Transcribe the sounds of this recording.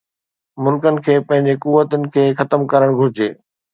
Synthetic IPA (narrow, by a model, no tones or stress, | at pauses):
mʊlkənɪ̆kʰeːpɐ̃ɦɪ̃ɲd͡ʑekuʋːət̪ənɪ̆kʰeːxɐt̪əmkɐɾəɽ̃ɡʱʊɾɪd͡ʑeː